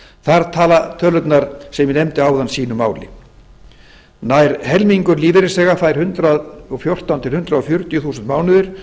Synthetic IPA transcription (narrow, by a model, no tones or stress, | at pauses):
θaɾt̪ʰaːlat̪ʰœːlʏt̪naɾ̥sɛmjɪnɛmt̪ɪaːwðansiːnʏmaːwlɪ̰ | najɾhɛlmiŋkʏɾliːvɪɾɪsɛɣafaːjɾ̥hʏnt̪ɾaðɔɣfjor̥t̪ant̪ʰɪlhʏnt̪ɾaðɔfjʏɾ̥t̪jʏθuːsʏnt̪maːwnʏðɪɾ̥